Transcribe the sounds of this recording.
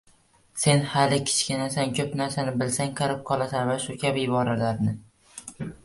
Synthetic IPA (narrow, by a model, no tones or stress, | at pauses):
se̞nhalɪkʲʰɪ̥t͡ʃkʲɪnasankʲʰɵpnaɾsanɪbɪlsaŋqʰɑɾɪp̚qʰɒlˠasanvaʃʊkʲʰabɪbɒɾalaɾnɪ